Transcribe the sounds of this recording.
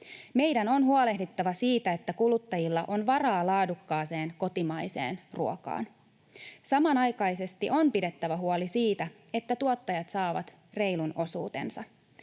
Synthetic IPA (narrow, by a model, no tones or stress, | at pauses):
me̞jdæno̞nɦuole̞hdit̪ːɑʋɑsiːt̪æet̪ːækulut̪ːɑjilːɑʔo̞nʋɑrɑːlɑːdukːɑːse̞ːnko̞t̪imɑjse̞̰ːnruo̞kɑ̰ːn | sɑmɑnɑjkɑjse̞st̪iʔo̞mpide̞t̪ːæʋæɦuolisiːt̪æ | e̞t̪ːæt̪uot̪ːɑjɑt̪sɑːʋɑ̰t̪ | re̞jluno̞suːt̪e̞̰nsɑ